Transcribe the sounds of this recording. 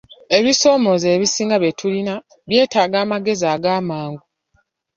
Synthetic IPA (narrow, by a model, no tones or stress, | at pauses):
e̞βiso̞ːmo̞zeːβisiːŋɡaβjetʰulina | βje̞ːtaːɡaːmaɡe̞zaːɡaːmaːŋɡu